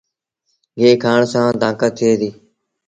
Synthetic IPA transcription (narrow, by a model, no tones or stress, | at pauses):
ɡeːkʰaːɳsãːd̪ãːkət̪ʰɪeːd̪iː